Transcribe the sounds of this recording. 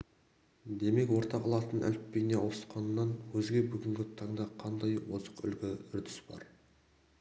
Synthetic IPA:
d̪e̞me̞kwo̞ɾt̪ɑqɑlˠɑt̪ənʔæ̰lɪp̪̚pejneʔosə̥t̪qɑnːɑnwɵzɡʲe̞bʏɡʲɪŋɡʲɪt̪ʰɑɴd̪ɑqʰɑnd̪ɑjwozəqʏ̰lɡʲɪʏɾd̪ɪsb̥ɑ̰ɾ

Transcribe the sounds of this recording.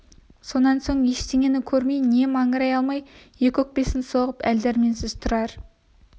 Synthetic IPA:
so̞nɑnso̞ɴjeʃt̪eŋʲe̞nɪkʲʰɵɾme̞jne̞mɑɴəɾɑjɑlˠmɑjje̞kʲɵk̚pe̞sɪnso̞ʁəpæld̪eɾme̞nsɪzt̪ʰʊɾɑɾ

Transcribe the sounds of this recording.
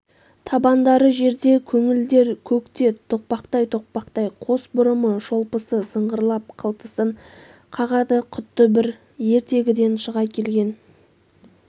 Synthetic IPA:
t̪ʰɑbɑnd̪ɑɾəʒe̞ɾd̪e̞kʲʰɵŋɪld̪e̞ɾkʲʰɵkt̪e̞t̪ʰo̞q̚pɑqt̪ɑjt̪ʰo̞q̚pɑqt̪ɑjqʰo̞sbʊɾəməʒo̞lˠpəsəsəɴʁəɾlˠɑp̚qʰəlˠt̪əsəɴ | qʰɑʁɑd̪əqʰʊt̪ːəbɪɾ | je̞ɾt̪e̞ɡʲɪd̪e̞nʃəʁɑjkʲʰe̞lɡʲe̞n

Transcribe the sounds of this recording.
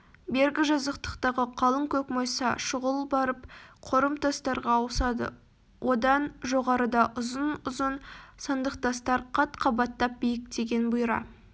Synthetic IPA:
be̞ɾɡʲɪʒɑzəqt̪ə̥qt̪ɑʁəqʰɑlˠəŋkʲʰɵkmojsɑʃʊʁəlˠbɑɾəpqʰoɾəmt̪ʰɑst̪ɑɾʁɑːwsɑd̪ə̰ | wʔo̞d̪ɑnʒo̞ʁɑɾəd̪ɑʔʊzənʊzənsɑnd̪əqt̪ɑst̪ɑɾqʰɑt̪qʰɑbɑt̪ːɑp̚bijɪkd̪eɡʲe̞nbʊjɾɑ̰

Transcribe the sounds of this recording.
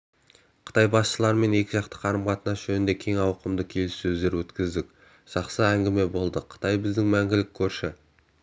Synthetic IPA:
qʰə̥t̪ɑjbɑsʃəlˠɑɾme̞ne̞kʲɪʒɑqt̪ə̥qʰɑɾəmʁɑt̪ənɑsʒ̥ɵnɪnd̪e̞kʲʰe̞ŋɑwəqəmd̪əkʲʰe̞lɪsːɵzd̪e̞ɾwɵt̪kʲɪzd̪ɪk̚ʲ | ʒ̥ɑqsəæŋɡʲɪme̞bo̞lˠd̪əqʰə̥t̪ʰɑjbɪzd̪ɪŋmæŋɡʲɪlɪkʲʰːɵɾʃɪ

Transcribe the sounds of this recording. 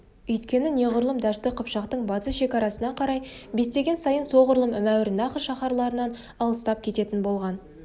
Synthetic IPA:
ʏjt̪kʲe̞nɪne̞ʁʊɾlˠəmd̪ɑʃt̪əqʰəpʃɑqt̪əɴbɑt̪əsʃe̞kɑɾɑsənɑqʰɑɾɑj | be̞st̪e̞ɡʲe̞nsɑjənso̞ʁʊɾlˠəmɪmæwɾɪnɑχəʃɑχɑɾlˠɑɾənɑn | ɑlˠəst̪ɑp̚kʲʰe̞t̪e̞t̪ɪnbo̞lˠʁɑn

